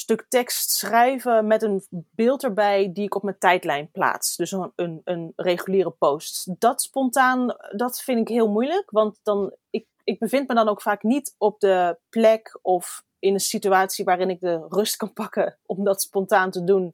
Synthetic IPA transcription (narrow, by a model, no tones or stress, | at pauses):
stɵktɛkstsrɛjvəmɛtənbɪːlˠtəɹbɛjdiɪkɔpməntɛjtlɛjnpla̰ːtsdɵsənənrejχyliːrəpowstdɑtspɔntaːndɑtfɪntɪkɦɪːlˠmujləkʋɑntd̥ɑnɪk̚ | ɪɡ̚bəvɪntmədɑnowkfaːknitɔp̚dəplɛkɔf | ɪnənsityaːtsiʋaːrɪnɪɡ̚dərɵstkɑnpɑkəʔɔmdɑtspɔntaːntədun